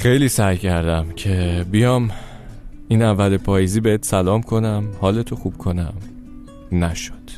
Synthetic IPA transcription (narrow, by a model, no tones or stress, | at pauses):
χe̞jliːsæjcʰæɾd̪æmcʰe̞bijɒːm | iːnævːælepʰɒːjiziːbehet̪ʰsælɒːmkʰo̞næmhɒːle̞t̪ʰo̞xub̥̚kʰo̞næ̰m | næʃo̥d̪̥